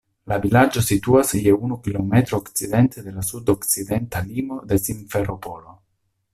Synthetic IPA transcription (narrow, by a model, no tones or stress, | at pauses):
lavilad͡ʒo̞situasjeunukilo̞me̞t̪ɾoːkt͡sid̪e̞nt̪ed̪e̞lasud̪okt͡sid̪e̞nt̪alimo̞d̪e̞siɱfeɾo̞po̞lo̞